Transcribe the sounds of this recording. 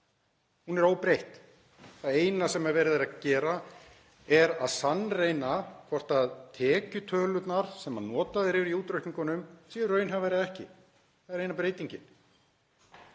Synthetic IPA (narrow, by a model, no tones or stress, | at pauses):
hunɛɾoːwpɾejht̪ | θaðeːjnasɛmɛɾvɛɾðɪɾacɛːɾa | ɛɾaðsanːrejnakʰvɔr̥t̪aðt̪ʰɛːcʏt̪ʰœːlʏt̪naɾ̥sɛmːannːɔːt̪aðɪɾɪvɾiuːt̪ɾœɥhniŋkɔnʏmsiːʏɾrœɥnɦavɛːɾɪðɛhcɪ̰ | θaðɛɾejnapɾeːjt̪iɲcɪn